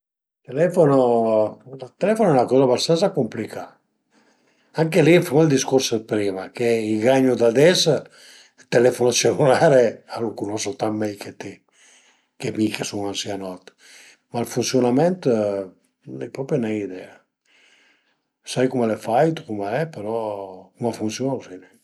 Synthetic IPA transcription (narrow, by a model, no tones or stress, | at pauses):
t̪elɛfono | lat̪elɛfonɛunakɔːzabast̪ansakomplikʰa | aŋkelifumald̪iskoɾsd̪pɾiːmakeiɡaɲːud̪ad̪ɛs | t̪elɛfonat͡ʃenulaːɾealukunɔsot̪ammːɛjkʰet̪e | kemikesuŋansianɔt̪ | malfunsjonamɛnt̪ | lɛpɾɔpɾjenaid̪ɛa | sajkumalefajt̪u̥kumaɛpeɾɔkumafunsjonasinɛ